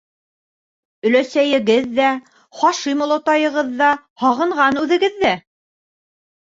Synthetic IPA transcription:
ɵ̆læsæjɘ̆ɡɘðːæ | χɑʃimŏlˠŏt̪ɑjɤ̆ʁɤðːɑ | hɑʁɤ̆ɴʁɑnʉðɘ̆ɡɘðːæ

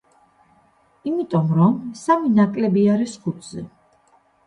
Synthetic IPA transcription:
imit̪ʼɔmɾɔmsaminakʼlɛbiaɾisχut̪ʰzɛ

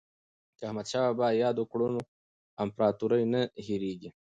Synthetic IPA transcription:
kahmad̪ɕaːbaːjɑːd̪okɽuno | ɐmpɾɑːt̪uɾajnahiɾiːɡi

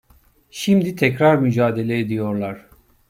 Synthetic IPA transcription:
ʃimd̪it̪ʰɛcɾaɾmyd͡ʒaːd̪e̞lʲɛed̪ijo̞ɾlˠaɾ̥

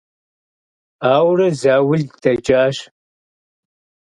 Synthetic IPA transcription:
aːwrɐzaːwʊɮdʰɐd͡ʒaːɕ

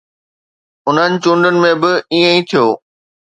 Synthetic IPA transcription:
ʊn̤ənɪ̆t͡ɕʊ̃ɳɖənɪ̆mẽbɪiːə̃ĩt̪ʰijoː

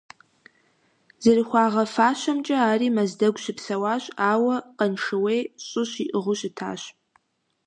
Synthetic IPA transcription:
zɐriχʷɑːʁɐfaːɕʷɐmt͡ʃʼɐaːriːmɐzdɐɡʷɕɪpsɐwaːɕʼaːwɐqɐnʂɨweːɕʼʊɕiʔɨʁʷʊɕɪtʰa̰ːɕ

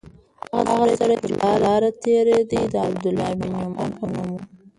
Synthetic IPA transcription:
haɣad̪aɣaɾajsaɽajd̪əɾlɑlɑɾat̪eɾed̪id̪əab̚d̪ʊlɑminjomɑ̰npanamu

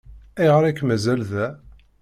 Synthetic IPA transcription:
æjʁɾækːmæzælðæ

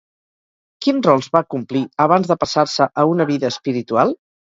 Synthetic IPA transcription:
kinrɔlˠzβakumpliəβ̞anzðəpəsarsəʔəunəβ̞iðəːspiɾit̪ualˠ

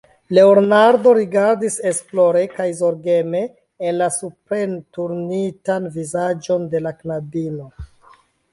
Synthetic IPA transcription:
le̞oɾnaɾdo̞ɾiɡaɾdise̞splo̞ɾe̞kajzo̞ɾɡe̞me̞ː | nlasupɾe̞ntuɾnitanvizad͡ʒo̞nde̞laknabino

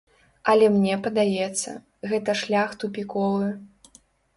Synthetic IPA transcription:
ɐlʲɛmnʲɛpɐd̪ajɛt̪sːɐ̰ | ɣɛt̪ɐʂlʲaxt̪upʲikɔvɨ

